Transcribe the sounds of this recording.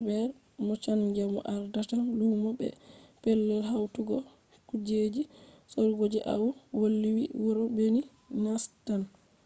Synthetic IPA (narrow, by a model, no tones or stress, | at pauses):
bɛɾ | mɔt͡ʃand͡ʒamɔ̰ʔaɾdatalumɔbɛ̰pɛlːɛlɦawtuɡɔ | kud͡ʒed͡ʒisoɾɡod͡ʒɛʔa̰wwolːiwiwɔɾɔbeni | nastan